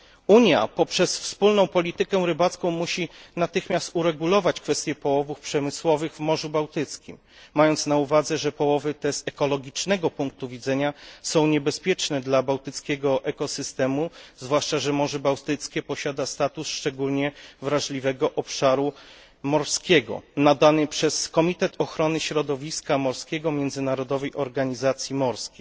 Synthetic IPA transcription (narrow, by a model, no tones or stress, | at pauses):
uɲja̰pɔpʂɛsfspulnɔ̃w̃pɔlʲit̪ɘkɛw̃ɾɘbat̪skɔ̃w̃muɕinat̪ɘxmʲjast̪uɾɛɡulɔvat͡ɕkfɛst̪ʲjɛpɔwɔvufpʂɛmɘswɔvɘɣvmɔʐubawt̪ɘt̪skʲimː | ajɔnt̪snauvad̪zɛʐɛpɔwɔvɘt̪ɛz̥ɛkɔlɔɡʲit͡ʂnɛɡɔpuŋk̚t̪uvʲid̪zɛɲasɔ̃w̃ɲɛbɛspʲjɛt͡ʂnɛd̪labawt̪ɘt̪skʲɛɡɔʔɛkɔsɘst̪ɛmuzvwaʂt͡ʂaʐɛmɔʐɛbawt̪ɘt̪skʲɛpɔɕad̪ast̪at̪usʂt͡ʂɛɡulɲɛvɾaʐlʲivɛɡɔʔɔpʂaɾu | mɔɾskʲɛɡɔ̰nad̪anɘpʂɛskɔmʲit̪ɛt̪ʰɔxɾɔnɘɕɾɔd̪ɔvʲiskamɔɾskʲɛɡɔmʲjɛnd̪zɘnaɾɔd̪ɔvɛjʔɔɾɡaɲizat̪sʲjimɔɾskʲe